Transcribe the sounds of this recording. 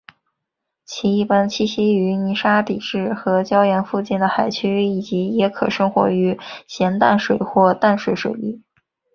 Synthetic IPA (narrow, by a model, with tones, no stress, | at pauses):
t͡ɕʰi˧˥i˥˩pa˥nt͡ɕʰi˥˩ɕi˥y˧˥ni˧˥ʂa˥pi˨˩ʈ͡ʂɻ̩˥˩xɤ˧˥t͡ɕjɑ˥ʊjɛ˧˥nfu˥˧t͡ɕi˥˩nd̪ə˩xa˨˩ɪt͡ɕʰy˥i˨˩t͡ɕi˧˥jɛ˧˥kʰɤ˨˩ʂɤ˥ŋxwɔ̰˧˥y˧˥ɕjɛ˧˥nt̪a̰˥˩nʂwe˨˩ɪxwɔ˥˧t̪a˥˩nʂwe˨˧˥ɪʂwe˨˩ɪli˥˩